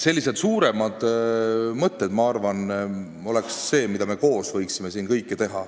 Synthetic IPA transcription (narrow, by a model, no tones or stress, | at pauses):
se̞lʲːise̞d̪̥suːɾe̞mɑd̪̥ | mɤt̪ːˑe̞d̪mɑɑrvɑn | o̞le̞ksːe̞ːmid̪ɑme̞ko̞ːsvɤjksime̞siːnkɤjkːˑet̪e̞ɦɑ